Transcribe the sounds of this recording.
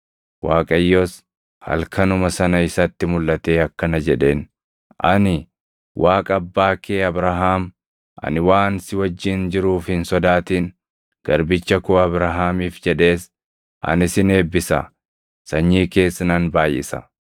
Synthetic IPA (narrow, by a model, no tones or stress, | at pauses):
waːkʼɐjːoːs | hɐ̰lkʰɐnʊmɐsɐnɐɪsɐt̪ːɪmʊlːɐt̪e̞ːɐkːɐnɐd͡ʒɛᶑe̞ːn | ʔɐnɪ | wʔaːkʼɐɐbːaːkeːɐbɾɐɦaːm | ʔɐ̰nɪwaːnsɪwɐd͡ʒːɪnd͡ʒɪɾuːfhɪnsɔd̪aːt̪iːn | ɡ̥ɐɾbɪt͡ʃːɐkʊːɐbɾɐɦaːmiːfd͡ʒɛᶑe̞ːs | ʔɐ̰nɪsɪne̞ːbːɪsɐ̰ | sɐɲːiːke̞ːsːɐnɐnbaːjʔːɪsɐ̰